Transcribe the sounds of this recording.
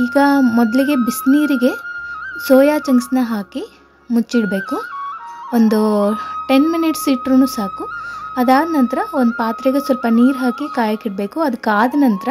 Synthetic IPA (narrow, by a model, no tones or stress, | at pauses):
iːɡɐmɔd̪ɐliɡe̞bisniːɾiɡe̞soːjaːt͡ʃɐŋɡsnɐɦaːki | mut͡ʃːiɽbe̞ːku | ond̪uʈenminiʈsiːʈɾunuːsaːkuɐd̪aːd̪nɐnt̪ɾɐond̪upaːt̪ɾeɡesɔlpɐniːɾɦaːkikaːjɐkiɽ̚be̞ːkuɐd̪ukːaːd̪ɐnɐnt̪ɐɾɐ